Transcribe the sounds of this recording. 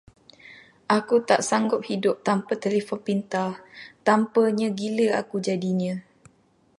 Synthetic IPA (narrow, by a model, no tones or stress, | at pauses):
ʔakut̪aʔsaŋɡʊp̚hidʊp̚t̪ampət̪elefɔnpint̪at̪ampəɲãɡiləa̰kud͡ʒadiɲã